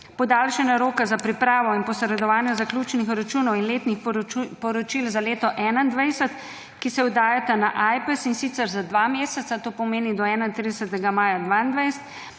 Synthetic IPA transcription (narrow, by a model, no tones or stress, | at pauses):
pɔd̪alʃɛnaɾoːkazapɾipɾaːʋɔinpɔsɾɛd̪ɔʋaːnjɛzaklʲjuːt͡ʃnixuɾat͡ʃuːnɔwinleːt̪nixpɔɾɔt͡ʃilzaleːt̪ɔʔɛːnand̪ʋajsɛt̪ | kisɛud̪aːjat̪anaʔajpɛsinsit̪sɛɾzad̪ʋameːsɛt̪sat̪oːpɔmeːnid̪ɔɛːnaint̪ɾid̪ɛsət̪ɛɡamaːjad̪ʋaːind̪ʋajst̪